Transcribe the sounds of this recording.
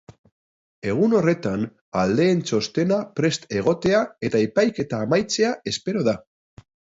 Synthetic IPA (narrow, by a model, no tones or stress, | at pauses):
e̞ɣ̞uno̞re̞t̪an | ald̪e̞ːnt͡so̞st̪e̞napɾe̞st̪e̞ɣ̞o̞t̪e̞ae̞t̪aepajke̞t̪aːmajt͡se̞ae̞spe̞ɾo̞ða